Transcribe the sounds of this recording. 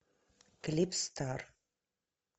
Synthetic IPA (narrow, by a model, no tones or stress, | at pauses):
klipst̪ʰar